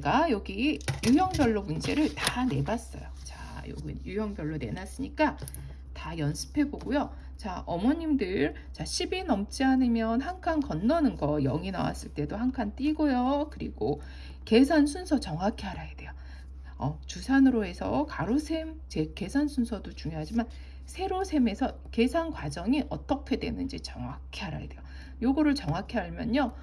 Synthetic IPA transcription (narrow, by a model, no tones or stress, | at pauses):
t͡ɕeɡajʌɡijujʌŋbjʌɭːomund͡ʑe̞ɾɯɭtane̞bas͈ʌ̰jot͡ɕa̰ | jo̰ɡɯ̰njujʌŋbjʌɭːone̞̰nas͈ɯɲik͈a | tajʌnsʰɯ̥pʰe̞boɡojo | t͡ɕaʔʌmʌɲimdɯɾ | t͡ɕaɕʰibinʌmt͡ɕ͈iɦanɯmjʌnhaŋkʰankʌnːʌnɯnɡʌjʌ̰ŋina̰wa̰s͈ɯɭt͈e̞dohaŋkʰant͈iɡojokɯɾḭɡo | ke̞sʰansʰunsʰʌt͡ɕʌŋakʰeɦaɾajed̥e̞jo | ʌ̰t͡ɕusʰanɯɾoe̞sʰʌ̰kaɾosʰem | t͡ɕe̞ke̞sʰansʰunsʰʌdot͡ɕuŋjoɦad͡ʑiman | sʰe̞ɾosʰe̞me̞sʰʌ | ke̞sʰankwad͡ʑʌŋiʔʌt͈ʌkʰe̞dwe̞̰nɯnd͡ʑit͡ɕʌŋakʰeɦaɾa̰jede̞jo | joɡʌɾɯɭt͡ɕʌŋakʰeɦaɭmjʌnːo